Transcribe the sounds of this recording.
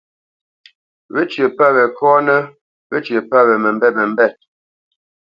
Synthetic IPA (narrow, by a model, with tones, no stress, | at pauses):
βə˦t͡ʃjə˨pa˦βɛ˨kɔː˦nə˦ | βə˦t͡ʃə˨pa˦βɛ˨mə˨m˦bɛ˦˨mə˨m̩˦bɛ˦˨t̚